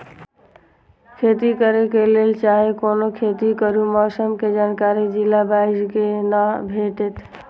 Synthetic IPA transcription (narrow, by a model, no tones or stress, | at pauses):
kʰet̪ikəɾekelelt͡ʃaɦekonokʰet̪ikəɾumɔsəmked͡ʒankaɾid͡ʒilabaiskenabʱeʈet̪